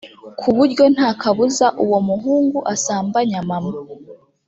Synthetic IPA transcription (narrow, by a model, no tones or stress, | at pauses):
kʰuβuɾɟo̞n̥haːkʰaβuzaʔuwomuɦuːŋɡuʔasaːmbaɲamama